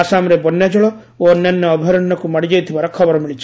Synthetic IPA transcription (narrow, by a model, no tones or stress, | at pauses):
asamɔɾebɔnːjad͡ʒɔɭɔ | oɔnjanjɔːbʱɔɾɔnːɔkumaɽid͡ʒajt̪ʰibaɾɔkʰɔbɔɾɔmiɭit͡ʃʰi̥